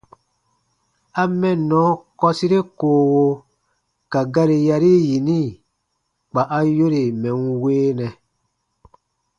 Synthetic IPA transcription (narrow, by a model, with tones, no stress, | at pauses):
a˧mɛ̃˨nːɔ̃˨˦kɔ˧si˦ɾe˦koː˨wo˧ | ka˨ɡa˦ɾe˧ja˧ɾi˦ji˨nĩ˦˨ | k͡pa˨ʔa˦jo˦ɾe˨mɛ̃˨nweː˦nɛ̃˨